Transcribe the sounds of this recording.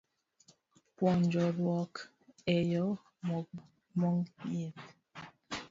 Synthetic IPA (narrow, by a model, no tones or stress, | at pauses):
pwɔnd͡ʒɔlwɔk | ejɔ | mɔ | mɔŋjep̚